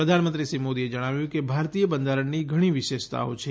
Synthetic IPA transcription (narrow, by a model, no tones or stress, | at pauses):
pɾəd̪ʱanəmənt̪ɾisimod̪ied͡ʒəɽ̃aʋjũkebʱaɾt̪ijəbənd̪ʱaɾəɳniɡʱəɽ̃iʋɪʃeʃt̪a̰ot͡ʃʰe